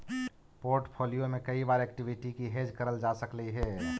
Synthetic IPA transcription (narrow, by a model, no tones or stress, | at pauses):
poːɾʈpʰoːlijomẽkɐibaːɾɛːkʈɪʋɪʈikiɦeːd͡ʒkɐɾəld͡ʒaːsəkləiɦɛː